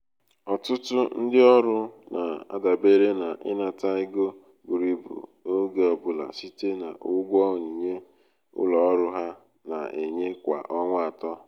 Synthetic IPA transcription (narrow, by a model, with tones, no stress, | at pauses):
ɔ˨tʊ˦tʊ˦n̩˦dɪ˦ɔ˦ɾʊ˦na˨a̰˦da˨be˦ɾe˦na˨ʔɪ˦na˨ta˦ɪ˦ɡo˦ | ɡu˨ɾi˨bṵ˨o˦ɡe˨ɔ˦bʊ˦la̰˨si˦te˦na̰˨ʔʊ˦ɡʷɔ˦˨ɲi˨ɲe˦ | ʊ̰˦lɔ˨ɔ˦ɾʊ˦ɦa˦ | na̰˨e˨ɲe˦kʷa̰˨ʔɔ˦ŋʷa˦a˨tɔ˦